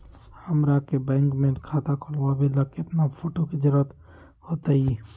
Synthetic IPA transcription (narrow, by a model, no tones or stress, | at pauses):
həmɾakebɛ̃ːŋkmẽnkʰaːt̪akʰolwabʱiləket̪napʰoʈoked͡ʒəɾət̪ | hot̪ai